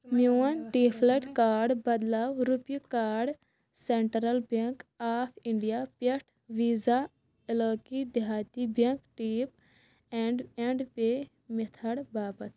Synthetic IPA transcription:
muɐnʈiːpʰleʈkaːɾɖbɐd̪laːwɾupjukaːɾɖ | seɳʈɾɐlbɐŋkaːpʰĩɳɖijaːpɐʈʰʋiːza | eloːkid̪aːt̪ibɐŋkʈiːp̚ | eɳɖẽɳɖpe | mit̪ʰɐɽbaːbɐt̪

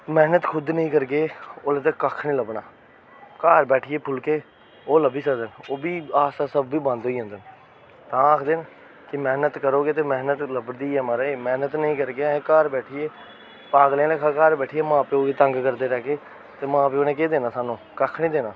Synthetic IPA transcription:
mɛːnət̪kʰʊd̪nəĩːkəɾkeːoːlẽːt̪̬ekəːkʰnĩːləbɳaː | kaːɾbɛːʈʰiːeːpʰʊlkeː | oːləbiːsəkd̪ənoːbiːaːsaːsəbːiːbãːnd̪oːiːɦə̃nd̪ən | t̪ãːəːkʰd̪eːn | kɪmɛːnət̪kəɾoːɡeːt̪eːmɛːnət̪ləbɽd̪iːɛmaːɾəeːmɛːnət̪nəĩːkəɾkeːãːẽːkaːɾbɛːʈʰieː | paːɡlẽːlekʰaːkaːɾbɛːʈʰijeːmãːpeːoːɡeːt̪əŋɡkəɾd̪eːɾɛːkeː | t̪eːmãːpeːoːnẽːkeːd̪eːnaːsaːnũːkəkʰnĩːd̪eːnaː

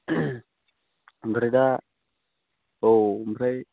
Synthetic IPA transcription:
mbəɾida | ombɾaj

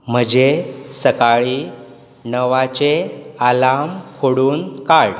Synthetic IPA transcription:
m̤əd͡ʑesəkaɭiː | nəʋat͡ɕealamkʰoɽuːnkaɽ

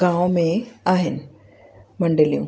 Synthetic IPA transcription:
ɡãːʋmẽaːɦɪn | mɐɳɖɐlijṵ̃ː

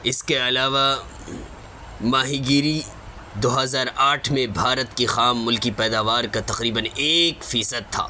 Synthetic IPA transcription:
ɪskeɐlaːʋa | maːɦiɡiːɾi | d̪oːɦɐzaːɾaːʈʰmẽbʱaːɾət̪kixaːmːʊlkipɛːd̪aːʋaːɾkat̪ɐqɾiːbəneːkfiːsəd̪̚t̪ʰa̰ː

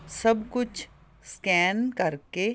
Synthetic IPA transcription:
sɐbkʊt͡ʃʰ | skɛːnkɐɾke

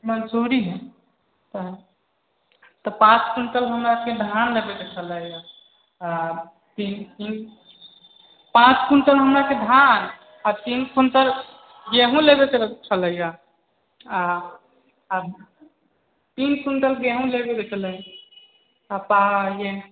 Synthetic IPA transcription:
mənsoɾiɦɛ | t̪əɦ | t̪ɔpãt͡ʃkunʈəlɦəmɾaked̪ʱanlebed̪ekʰələja | a | t̪inin | pãt͡ʃkunʈəlɦəmɾaked̪ʱan | at̪inkʰunʈəl | ɡeɦũlebekeɾt͡ʃʰələja | a | t̪inkunʈəlɡeɦũlebed̪ekʰələ | apajen

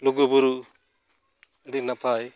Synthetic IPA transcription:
luɡubuɾuʔ | ɽinapʰaj

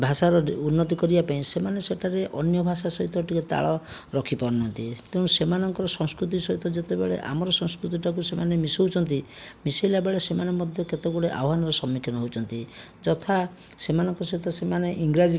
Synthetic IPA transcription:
bʱasaɾɔunːɔt̪ikɔɾibapaĩsemaneseʈʰaɾeʔɔnjɔbʱasasɔɦit̪ɔʈiket̪a̰ɭɔɾɔkʰipɔɾɔnɔnt̪it̪ew̃ũsemanɔŋkɔɾɔsɔ̃ŋskɾut̪̬isɔɦit̪ɔd͡ʒet̪ebeɭḛʔa̰mɔɾɔsɔ̃ŋskɾut̪iʈakusemanemisoɦut͡ʃʰɔnt̪̬imisajlabeɭesemanemɔd̪ʱjɔket̪eɡuɽeʔa̰wɦanɔɾɔsɔmːikʰjɔnɔɦowt͡ʃʰɔnt̪i | d͡ʒɔt̪ʰa | semanɔŋkɔsɔɦit̪ɔsemaneʔiŋɡɾad͡ʒi

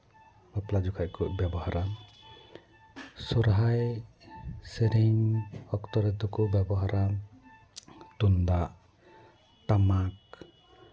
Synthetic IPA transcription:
bɔplad͡ʒukʰajkɔbjabɔhaɾam | sɔɾɦaj | seɾiŋɔkt̪ɔɾɛt̪ɔkɔbjabɔɦaɾʔam | t̪und̪aʔ | t̪amak̚

